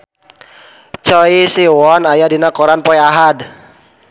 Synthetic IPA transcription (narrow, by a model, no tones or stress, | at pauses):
t͡ʃɔisiwɔnajadinakɔɾanpɔiaɦad